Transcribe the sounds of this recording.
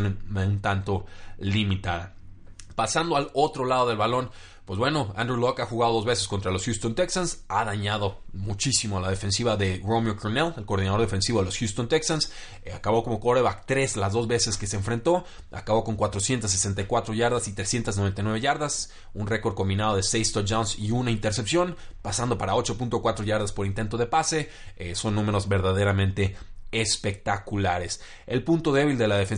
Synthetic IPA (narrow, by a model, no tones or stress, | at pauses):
neunt̪ant̪o̞limit̪aða | pasand̪o̞alo̞t̪ɾo̞lað̞o̞ð̞e̞lβalo̞n | pwe̞zβwe̞no̞a̰nd̪ɾulokaxuɣaðo̞ðo̞zβe̞se̞sko̞nt̪ɾalo̞sxjust̪o̞nt̪e̞ksansaðaɲaðo̞mut͡ʃisimoalað̞e̞fe̞nsiβaðe̞romjokonele̞lko̞ɾð̞inaðoðe̞fe̞nsiβelo̞sxjust̪ont̪eksans | akaβo̞ko̞mo̞koɾeβakt̪ɾe̞zlazðo̞zβe̞se̞ske̞seːɱfɾe̞nt̪o̞ | a̰kaβo̞ko̞ŋkwat̪ɾo̞sje̞nt̪as̬ːesent̪ajkwat̪ɾo̞ʝaɾðasit̪ɾe̞sje̞nt̪azno̞βent̪ajnweβeʝaɾðas | unre̞ko̞ɾð̥ko̞mbinað̞o̞ð̞e̞sejst̪ot̪d͡ʒawnsiunaint̪e̞ɾse̞psjo̞npasand̪o̞paɾao̞t͡ʃo̞punt̪o̞kwat̪ɾo̞ʝaɾð̞aspo̞ɾint̪e̞nt̪o̞ð̞e̞pase̞ | eso̞nːũme̞ɾo̞zβe̞ɾðaðe̞ɾamẽnt̪e̞espe̞k̚t̪akulaɾe̞s | e̞lpunt̪o̞ðe̞βild̪e̞laðe̞fen